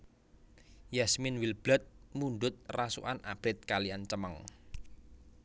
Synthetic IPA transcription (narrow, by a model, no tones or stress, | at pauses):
jɛsmɪnwilb̥lət̪̚muɳɖ̪ʊt̪̚rasṵʔanʔa̰b̥ɪt̪̚kaliant͡ʃəməŋ